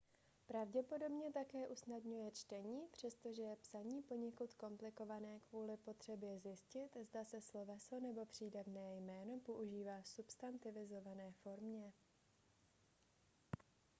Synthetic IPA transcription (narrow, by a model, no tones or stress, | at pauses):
pɾavɟɛpo̞do̞bɲɛt̪akɛːʔusnadɲujɛt͡ʃt̪ɛɲiːpr̝̥ɛst̪o̞ʒɛjɛpsaɲiːpo̞ɲɛkut̪ko̞mplɪko̞vanɛːkvuːlɪpo̞t̪r̝̥ɛbjɛzjɪscɪt̪zdasɛslo̞vɛsonɛbo̞pr̝̥iːdavnɛːjmɛːno̞po̞ʔuʒiːvaːsupst̪ant̪ɪvɪzo̞vanɛːfo̞ɾmɲɛ